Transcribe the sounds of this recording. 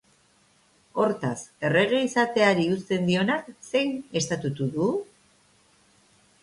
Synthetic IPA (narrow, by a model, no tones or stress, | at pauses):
o̞ɾt̪ase̞re̞ɣ̞e̞isat̪e̞aɾiust̪e̞nd̪io̞nakse̞jne̞st̪at̪ut̪uðu